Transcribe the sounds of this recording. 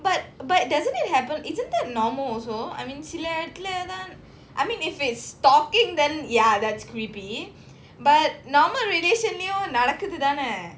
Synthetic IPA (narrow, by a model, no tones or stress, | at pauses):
bɐʈ̚bɐɖɐzə̃niʈɦæpə̃nizə̃nt̚d̪ɛtnɔɾməlosoa̰jmĩːnsileət̪led̪ãn | ʔa̰jmĩːnɪfɪtsʈɔkɪ̃ŋd̪ɛ̃njad̪ætskɾipi | bɐʈ̚nɔɾməlɾeɖeːʃənliõnɐɽəkɨt̪id̪ane